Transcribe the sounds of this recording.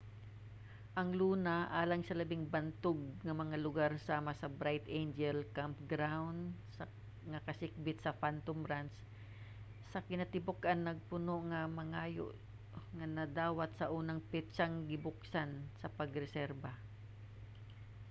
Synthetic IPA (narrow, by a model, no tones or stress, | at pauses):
ʔɐŋluːnaʔaːlaŋsɐlɐbɪŋbɐnt̪ʊɡ̚ŋɐmɐŋalʊɡaɾsaːmasɐbɾajt̪ʔejnd͡ʒɛlkampɡɾawnd̪s | ŋɐkɐsɪk̚bɪt̪̚sɐfant̪omɾans | sɐkɪnɐt̪ɪbʊkʔanːɐɡ̚pʊnoʔŋɐmɐŋaːjo̰ʔ | ŋɐnɐd̪aːwat̪sɐʔuːnɐŋpɛt̪t͡ʃaŋɡɪbʊksansɐpɐɡɾɛsɛɾba